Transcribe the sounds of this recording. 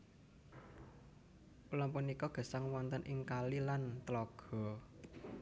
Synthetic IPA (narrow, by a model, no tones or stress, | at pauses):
ʔulampunikɔɡ̥a̤saŋwɔnt̪ənʔɪŋkalilant̪əlɔɡ̥ɔ̤